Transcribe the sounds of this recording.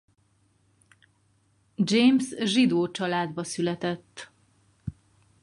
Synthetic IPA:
d͡ʒeːmsʒid̪oːt͡ʃɒlaːd̪bɒsylɛt̪ɛt̪ː

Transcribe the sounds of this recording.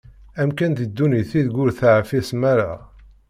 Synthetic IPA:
æmkænðəd̪ːuniθiðɡʊɾθaʕfismæɾa̰

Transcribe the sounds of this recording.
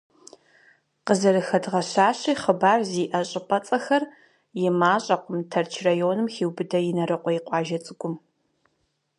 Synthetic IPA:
qəzɐɾɨxɐdʁɐɕaːɕiːχəbaːrziːʔɐɕʼɪpʼɐt͡sʼɐxɐr | jɪmaːɕʼɐqʷʊmtʰɐrt͡ʃʰrajoːnɨmxiːwbɨdɐjɪnɐɾɨqʷʼɔjɪqʷʼɑːʒɐt͡sʼɨɡʷʼʊm

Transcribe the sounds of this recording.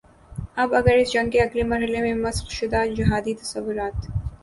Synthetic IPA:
ɐbɐɡəɾɪsd͡ʒɐŋkeɐɡlemɐɾɦɐlemẽmɐsxʃʊd̪aːd͡ʒɪɦaːd̪it̪ɐ̥sɐʋːʊɾaːt̪

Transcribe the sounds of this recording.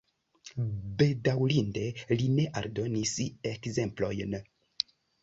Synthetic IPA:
be̞dawlinde̞line̞ʔaɾdo̞nisekze̞mplo̞̰jn

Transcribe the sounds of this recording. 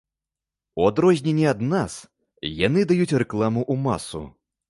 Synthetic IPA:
uad̪ɾɔzʲnʲɛnʲɛad̪nas | janɨd̪ajut͡sʲrɛklˠamuʔuma̰sṵ

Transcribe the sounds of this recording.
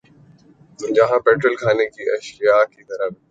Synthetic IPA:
ʊ̃d͡ʑaːɦãpeːʈɾəlkʰaːnekiːʔɐʃɾijakit̪ɐɾəb

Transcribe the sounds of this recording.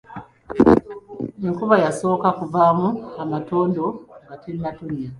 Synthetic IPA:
eŋkuβajaso̞ːkakuvaːmuamato̞ːndo̞ŋɡateɾimatunia

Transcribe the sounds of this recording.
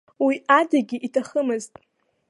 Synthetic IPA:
wiadaɡʲiʔitʰaχəmɨztʼ

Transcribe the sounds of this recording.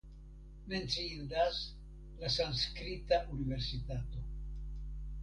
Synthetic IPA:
me̞nt͡siindas | lasanskɾitaʔunive̞ɾsitato̞

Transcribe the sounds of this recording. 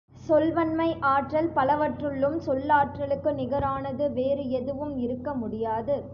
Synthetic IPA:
sɔlʋɐnmɐɪʔaːʈrɐlpɐlɐʋɐʈrɯɭːɯmsɔlːaːʈrɐlɯkːɯnɪɣɐɾaːnɐðɯʋeːɾɯɛðɯʋɯmɪɾɯkːɐmʊɽɪjaːðɯ

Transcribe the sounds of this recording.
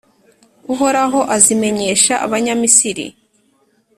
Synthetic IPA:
uɦoɾaɦo̞ʔazime̞ɲe̞ːʃaʔa̰βaɲamisiɾḭ

